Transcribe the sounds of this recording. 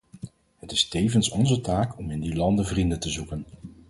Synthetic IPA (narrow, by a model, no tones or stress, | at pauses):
ɦətɪstejvənsɔnzətaːkɔmɪndilɑndəvrindətəzukən